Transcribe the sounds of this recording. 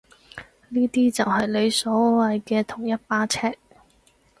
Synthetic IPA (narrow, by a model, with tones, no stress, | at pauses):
niː˥t̪iː˥t͡sɐ˨wɦɐ˨jle˨˧jsɔː˨˥wɐ˨jkɛː˧t̪ʰʊ˨˩ŋjɐ˥t̚paː˥t͡sʰɛː˥k̚